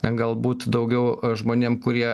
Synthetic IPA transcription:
t̪ʲɛnɡɐlˠbuːt̪d̪ɐʊɡʲɛʊʒmoːnʲeːmkʊɾʲiɛ

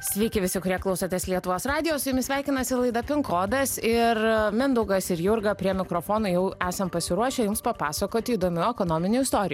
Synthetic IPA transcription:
sʲʋʲɛɪkʲɪʋʲɪsʲɪkʊɾʲiɛklˠɐʊsɐt̪ʲɛslʲiɛt̪ʊʋoːsɾɑːd̪ʲɪjoːsʊjɪmʲɪsʲʋʲæˑɪkʲɪnɐsʲɪlˠɐɪd̪ɐpʲɪŋkoːd̪ɐsɪɾmʲɪnd̪ʊɡɐsɪɾjʊɾɡɐpʲɾʲiɛmʲɪkɾoːfoːnʊːjɛʊæːsɐmpɐsʲɪɾuɔʃʲɛjʊmspɐpɑːsɐkoːt̪ʲɪiːd̪oːmʲʊɛkoːnoːmʲɪnʲuːɪst̪oːɾʲɪju

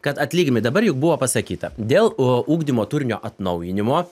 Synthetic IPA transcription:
kɐt̪ɐt̪ʲlʲiːɡʲmʲɪd̪ɐbɐɾjʊk̚bʊʋoːpɐsɐkʲiːt̪ɐd̪ʲeːlˠuːɡd̪ʲimoːt̪ʊɾʲnʲoːʔɐt̪nɒʊjɪnʲɪmoː

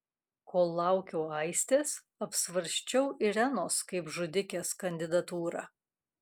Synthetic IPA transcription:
kʰoːlːɑˑʊkʲoːɐɪsʲt̪ʲeːs | ɐpsʋɐɾʲʃʲt͡ʃʲɛʊʔɪɾʲænoːskɐɪpʒʊd̪ʲɪkʲeːskɐnʲd̪ʲɪd̪ɐt̪uːɾɑ̰

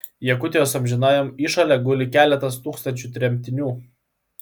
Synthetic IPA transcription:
jɛkʊt̪ʲɛjoːsɐmʲʒʲɪnɑːjomiːʃɐlʲɛɡʊlʲɪkʲæːlʲɛt̪ɐst̪uːkst̪ɐnʲt͡ʃʲut̪ʲɾʲɛmʲt̪ʲɪnʲuː

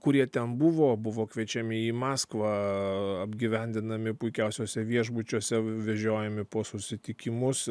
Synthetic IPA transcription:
kʊɾʲiɛt̪ʲɛnbʊʋoːbʊʋoːkʋʲiɛt͡ʃʲɛmʲɪiːmɑːskʋɑɐbʲɡʲiʋʲɛnʲd̪ʲɪnɐmʲɪpʊɪkʲɛʊsʲoːsʲɛʋʲiɛʒbʊt͡ʃʲoːsʲɛʋʲɛʒʲoːjɛmʲɪpoːsʊsʲɪt̪ʲɪkʲɪmʊs

